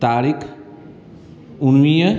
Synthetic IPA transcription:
t̪aːɾikʰ | unʋijə

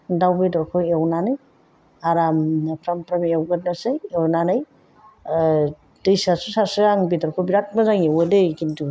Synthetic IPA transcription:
dawbedɔɾkʰɔewnanɯj | aɾampʰɾampʰɾamewɡɯt̚nasajewnanɯj | d̥ɯjsasusasɯaŋbidɔɾkʰɔbiɾat̚mazaŋewedekindu

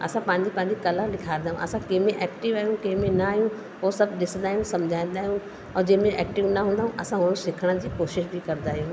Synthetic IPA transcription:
ɐ̰sãpɐ̃ɦɪ̃ɲd͡ʑipɐ̃ɦɪ̃ɲd͡ʑikɐlalɪkʰaːɾ̃nd̪aːɦṵ̃ʔɐsãkẽɦɪ̃mẽʔɛːkʈɪʋaːɦijũkẽɦɪ̃mẽnɐaːɦijũ | ɦosɐbʱɗɪsə̃nd̪aːɦijũsɐmd͡ʑʱaːĩnd̪aːɦjũ | ɔːd͡ʑɐ̃ɦmẽʔɛ̰ːk̚ʈɪʋnɐɦũːnd̪aɦũʔɐsãɦʊɽ̃ũsɪkʰəɽ̃əd͡ʑiːkoːʃɪʃbikɐɾnd̪aːɦijũ

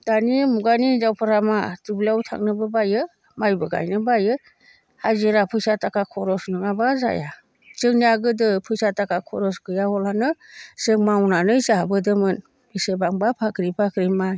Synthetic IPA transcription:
d̥animuɡanizawpʰɯɾamatɯblawtʰa̰ŋnɯbɯbajɯ | majbɯɡa̰jnɯbajɯ | haziɾapʰɯjsatakakʰɔɾɔsnɯŋabaza̰ja̰ | zɯŋniaɡɯdɯpʰɯjsatakʰakʰɔɾɔsɡɯjahɔlanɯsɯŋmawnanɯjsaɦabɯdɯmɯn | bisebaŋbapʰakʰɾipʰakʰɾimaj

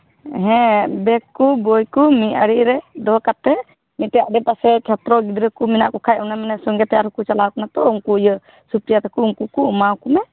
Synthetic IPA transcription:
ɦɛ̃bɛkːubɔjkumiaɽiɾɛd̪ɔkat̪ɛ | mitɛjaʔɖɛpasɛkʰɛt̪ɾɔɡid̪ɾəkuminaʔkɔkʰajɔnamanɛsɔŋɡɛt̪ɛaɾukut͡ʃalawkɔnat̪ɔuŋkujə | supɾijat̪akuuŋkukuːmakumɛ

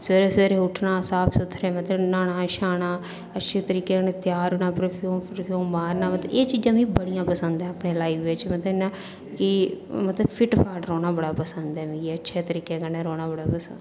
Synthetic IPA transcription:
seːɾeːseːɾeːʊʈʰnãːsaːpʰsʊt̪ʰːɾɛːmət̪ləbnaːɽaːʃaːɽaː | ətːʃʰeːt̪əɾiːkeːkəneːt̪jaːɾoːnãːpɾoːpʰjuːmpɾpʰjuːmbaːɾnãːmət̪əeːt͡ʃiːd͡ʒãːmĩːbəɽijãːpəsənd̪ɛ̃ːəpɳeːlaːipʋɪt͡ʃmət̪lənãː | kɪmət̪ləbpʰɪʈpʰaːʈɾoːñaːbəɽaːpəsənd̪ɛːmẽɡiətːʃʰeːt̪əɾiːkeːkəneːɾoːɽaːbəɽaːpəsənd̪

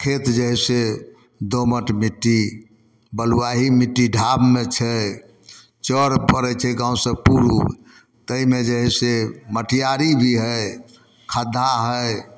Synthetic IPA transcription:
kʰet̪d͡ʒəɦɛse | d̪oməʈmiʈːi | bəluaɦimiʈːiɖʱabmet͡ʃʰɛ | t͡ʃəɾpəɾɛt͡ʃʰɛɡãwsə̃puɾṵ | t̪əimed͡ʒəɦɛseməʈʰijaɾibʱiɦəj | kʰad̪ʱːaɦəj

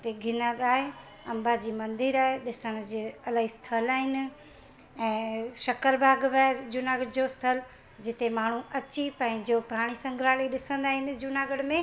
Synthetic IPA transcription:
t̪eɡʱɪnaɡaːɦe | ɐ̃mbad͡ʑiːmɐ̃nd̪ɪɾaːɦeɗɪsəɽ̃̆d͡ʑeɐlaːɦist̪ʰəlaːɦɪnɪ̆ | ɛ̃ːʃɐkəɾbʱaːɡbaːd͡ʑʊnaːɡəɽd͡ʑost̪ʰəl | d͡ʑɪt̪emaːɳ̤ũɐt͡ɕipɐ̃ɦɪ̃d͡ʑopɾaːɽ̃isɐ̃ŋɡʱɾaːliɗɪsə̃nd̪aːɦɪnɪ̆d͡ʑʊnaːɡəɽmẽ

